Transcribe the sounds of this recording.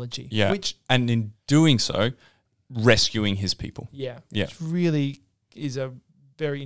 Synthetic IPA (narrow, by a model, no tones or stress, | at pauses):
əd͡ʒḭjæwɪt͡ʃɨ̃nɨ̃nd̥ʉɪ̃ŋso̰ʊ | ɹɛskjʉɪ̃ŋɪz̥pʰḭpʰəlˠjæjæ̰sɹɪlˠi | ɪzɨ | vɛɹĩ